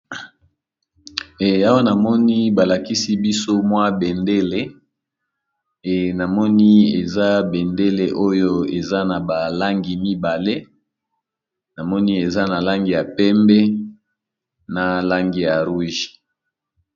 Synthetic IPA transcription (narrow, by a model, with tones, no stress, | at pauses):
a˦wa˦na˨mɔ˦ni˦ba˨la˨ki˦si˦bi˦so˦mwa˦be˨nde˦le˦˨ | na˨mɔ˦ni˦e˨za˦be˨nde˦le˨ʔo˦jo˦e˨za˦na˨ba˨la˦ŋɡi˨mi˦ba˨le˦ | na˨mɔ˦ni˦e˨za˦na˨la˦ŋɡi˦˨ja˨pɛ˦mbɛ˦ | na˨la˦ŋɡi˦ja˨ʁu˦ʒi̥˨